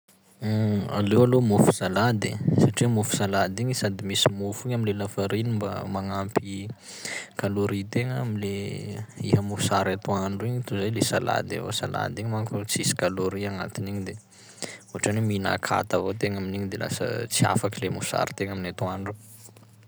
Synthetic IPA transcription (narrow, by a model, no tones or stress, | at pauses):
a̰lewalomufu̥salad̪ḭsaʈ͡ʂiəmufu̥salad̪iɲisad̪imisimufiɲaminlelafaɾinimba̰maŋampi | kaloɾit̪eŋəmile | ihəmufsaɾat̪uaɳɖ͡ʐuiɲit̪uzajlesala̰d̪ḛvo̰sala̰d̪iɲimaŋkut͡sisi̥kaloɾiana̰t̪iniɲid̪e | uaʈ͡ʂanimina̰kʰa̰t̪avot̪eŋaminiɲid̪ela̰sə̰t͡sia̰fakilemufsa̰ɾi̥t̪eŋaminat̪uaɳɖ͡ʐu